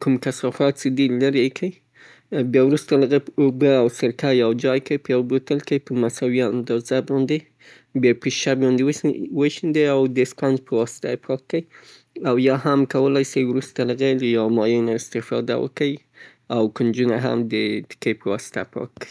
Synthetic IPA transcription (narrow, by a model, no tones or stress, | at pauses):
kumkasɑfɑt̪̚səd̪ilaɾekʰə | bjɑwɾust̪aləɣepobəawsəɾkajawd͡ʒɑjkəpəjawbot̪əlkəpəmasawiand̪ɑzabɑnd̪e | bjɑpəʃabɑnd̪ewwəʃind̪eawd̪əspand͡ʒpəwɑsɪ̥t̪a̰pʰɑkːəj | awjɑhamkawəlajsajwɾust̪aləɣeləjawmɑjenaɪst̪ɪfɑ̰d̪a̰wə̰kəi | awkənd͡ʒunaɦa̰md̪ət̪ɪ̥kepəwɑsɪ̥t̪a̰pʰɑ̰kːəi